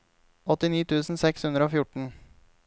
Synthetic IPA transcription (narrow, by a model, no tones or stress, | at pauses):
ɔt̪ɪniːt̪ʰʉːsn̩sɛkshʉnd̪ɾəoːfjʊʈɳ̩